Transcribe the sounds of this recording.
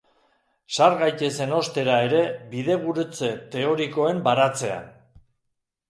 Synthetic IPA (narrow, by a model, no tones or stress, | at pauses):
saɾɣajt̪e̞se̞no̞st̪e̞ɾae̞ɾe̞βiðe̞β̞uɾut͡se̞t̪e̞o̞ɾiko̞e̞mbaɾat͡se̞a̰n